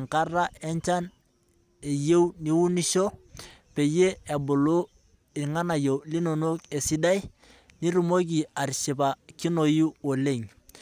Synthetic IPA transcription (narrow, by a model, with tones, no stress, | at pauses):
ŋka˦ra˦e˦ɲt͡ʃa˦n | e˨je˦wni˦wu˦ni˦ʃo˦pe˨je˦e˨bʊ˨lo˦ | i˨ŋa˦na˨jo˨li˦no˨no˦ke˨si˦da˦j | ni˦ɾu˨mo˦k̬i˨a˨ɾʃi˨pa˨ki˦no˨ju˦o˨le˦˨ŋ